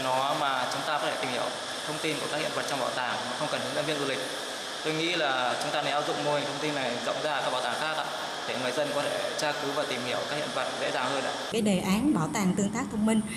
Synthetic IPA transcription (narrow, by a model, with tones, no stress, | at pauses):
nɔ˨˦maː˨˩t͡ɕʊ˨˦ŋ͡mt̪aː˧kɔ˨˦t̪ʰe˧˩i˨˩mhi˧˩əw | t̪ʰə˧wŋ͡mt̪i˧nku˧˩kaː˦˥khḭ˧˨ə˨˩və˨˩t̚t͡ɕɔ˧ŋ͡mɓaː˧˩wt̪aː˨˩ŋmaː˨˩xə˧wŋ͡mkə˨˩nhɨ˨˦ŋzə˧nvḭ˧˨nzu˧˩lï˨˩k̚ | t̪o˧jŋḭ˧˥laː˨˩t͡ɕʊ˨˦ŋ͡mt̪aː˧a˨˦ʔaː˦˥zʊ̰˧˨ŋ͡mmu˧˩əjt̪ʰə˧wŋ͡mt̪i˧nːa˨˩jzə̰˧˨wŋ͡mzaː˧˨kaː˦˥ɓaː˧˩wt̪aː˨˩ŋxaː˦˥k̚ʔa̰ː˧˥ | ɗe˧˩ŋɨ˨˩əjzə˧nkɔ˨˦t̪ʰe˧˩t͡ɕaː˧kɨ˨˦vaː˨˩t̪i˨˩mhi˧˩əwkaː˦k̚hḭ˧˨ə˨˩və˨˩t̚zḛ˧˥zaː˨˩wzəː˧nɗa̰ː˧˥kaː˨˦jɗe˨˩ʔaː˨˦nɓaː˧˩wt̪aː˨˩ŋt̪ɨ˧əŋt̪aː˦˥k̚t̪ʰə˧wŋ͡mmï˧ŋ̟